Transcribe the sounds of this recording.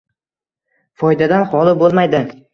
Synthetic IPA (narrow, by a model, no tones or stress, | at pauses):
fɒjd̪ad̪anχɒlˠɪbolˠmajd̪ɪ